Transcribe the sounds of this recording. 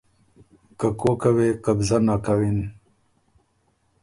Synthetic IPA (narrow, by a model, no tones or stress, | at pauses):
kakokaweqabzanakawin